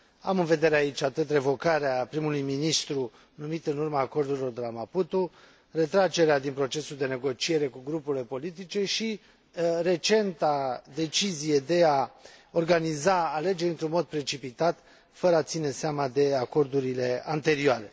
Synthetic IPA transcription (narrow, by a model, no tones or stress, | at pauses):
a̰mɨnve̞d̪e̞ɾeait͡ʃʲat̪ɨt̪re̞vo̞kaɾeapɾimulujminist̪ɾu | numit̪ɨnurmaːko̞rd̪uɾilo̞rd̪e̞lamaput̪u | re̞t̪ɾat͡ʃe̞ɾead̪inpɾo̞t͡ʃe̞suld̪e̞ne̞ɡo̞t͡ʃie̞ɾe̞kuɡɾupuɾile̞po̞lit̪it͡ʃe̞ʃi | re̞t͡ʃe̞nt̪ad̪e̞t͡ʃizije̞d̪e̞ao̞rɡanizaːle̞d͡ʒe̞ɾʲɨnt̪ɾunmo̞d̪̚pɾe̞t͡ʃipit̪at̪ | fəɾəat̪sine̞seamad̪e̞ako̞rd̪uɾile̞a̰nt̪e̞ɾioaɾe̞